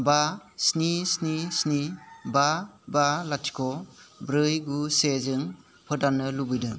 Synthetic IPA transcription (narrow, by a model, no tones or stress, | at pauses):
basnisnisnibabalatʰi̥kʰɔbɾɯjɡusezɯŋ | pʰɯdanːɯlubɯjdɯ